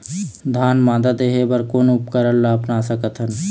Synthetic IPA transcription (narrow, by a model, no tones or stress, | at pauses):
d̪ʱaːnmãːd̪əd̪eɦebɐɾkoːnʊp̚kəɾəllaːpnaːsɐkət̪ʰɦən